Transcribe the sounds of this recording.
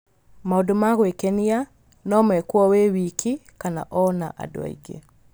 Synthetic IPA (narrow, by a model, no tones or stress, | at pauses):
maodomaɣwekenia | nɔmwɛkwɔwewikʰikana̰ʔɔna̰ʔa̰do̰a̰ḭɡḛ